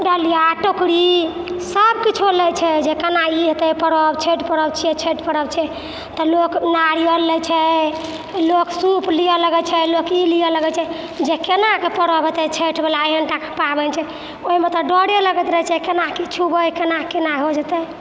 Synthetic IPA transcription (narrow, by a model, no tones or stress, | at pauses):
ɖəlijaʈokɽisəbkit͡ʃʰulɛjt͡ʃʰɛd͡ʒekenaiɦet̪ɛpəɾəbt͡ʃʰeʈpəɾəbt͡ʃʰɛɛt͡ʃʰeʈpəɾəbt͡ʃʰɛ | t̪ɔloknaɽijəlɛt͡ʃʰɛ | loksuplijələɡɛt͡ʃʰɛlokiliələɡɛt͡ʃʰɛ | d͡ʒekenakepəɾɔbʱet̪ɛt͡ʃʰeʈʰbelaɦəɳʈake̥pabɛnt͡ʃʰɛ | oɦimet̪ɔɖɔɽjeləɡɛt̪ɾəɦɛt͡ʃʰɛkenakit͡ʃʰubəjkenakenaɦod͡ʒət̪ɛ